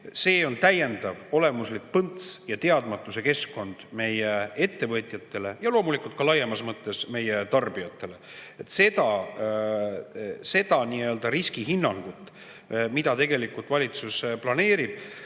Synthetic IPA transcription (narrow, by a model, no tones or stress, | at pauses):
se̞ːo̞nt̪æje̞nd̪̥ɑvo̞le̞muslik̚pɤnt̪sjɑt̪e̞ɑd̪̥mɑt̪ːˑuse̞ke̞skːo̞nd̪̥me̞jee̞t̪ːe̞vɤt̪ʲjɑt̪ːˑe̞le̞jɑlo̞ːmulikˑult̪kɑlɑjːemɑsmɤt̪ːe̞sme̞je̞t̪ɑrb̥iɑt̪ˑːe̞le̞ | et̪ːse̞d̪ɑ | se̞d̪̥ɑniːø̞ld̪ɑɾiskiɦinːɑŋɡ̥ut̪ːˑ | mid̪̥ɑt̪e̞ɡ̥e̞likult̪vɑlʲit̪susplɑne̞ːɾib̥